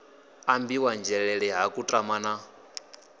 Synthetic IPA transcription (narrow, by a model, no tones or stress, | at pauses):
ambiwand͡ʒɛɺɛɺɛɦakʼutʼamaːna